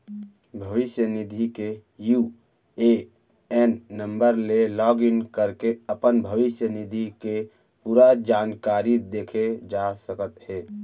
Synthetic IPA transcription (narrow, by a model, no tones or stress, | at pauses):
bʱəʋɪsjənid̪ʱikeju | e | ɛnːə̃mbəɾlelɔɡinkəɾkeəpənbʱəʋɪsjənid̪ʱike | puːɾad͡ʒaːnkaɾid̪eːkʰed͡ʒasəkət̪ɦɛː